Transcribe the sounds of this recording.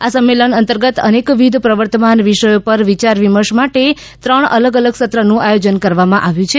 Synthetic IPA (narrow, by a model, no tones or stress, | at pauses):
asəmːelənənt̪əɾɡət̪ə̰nekʋid̪ʱpɾəʋəɾt̪əmanʋiʃəjopəɾʋit͡ʃaɾʋiməʃmaʈe | t̪ɾəɳə̰ləɡələɡsət̪ɾənũʔajod͡ʒənkəɾʋamãʔaʋjũt͡ʃʰe